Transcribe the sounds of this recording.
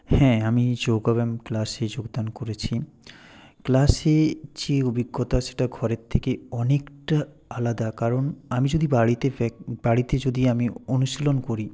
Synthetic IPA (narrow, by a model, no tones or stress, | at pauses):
hɛ̃amid͡ʑoɡaβɛmklased͡ʑoɡd̪ankoɾet͡ɕʰi | klaset͡ɕeobiɡːot̪aʃe̥ʈaɡʱɔɾet̪ʰːekeɔnekʈa | alad̪akaɾonamid͡ʑod̪ibaɽit̪ebaɽit̪ed͡ʑod̪iamionuʃilonkoɾi